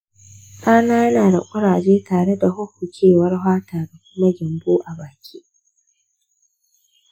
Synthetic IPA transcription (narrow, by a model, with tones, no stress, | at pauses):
kʼaː˦naː˦jɐ˦naː˨da̰˨kʷʼʊ˦ɽaː˨d͡ʒeː˦taː˨ɽe˦da˨hʊ˦ɸu˨t͡ʃʰʲeː˦˨wɐ˦rɦʷaː˦taː˨da˨kʷʊ˦ma˦d͡ʒɪ˨mbuː˦ʔa˨baː˨kʲʰiː˦